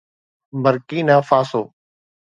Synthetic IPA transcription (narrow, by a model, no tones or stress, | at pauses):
bəɾkiːnãːfaːsoː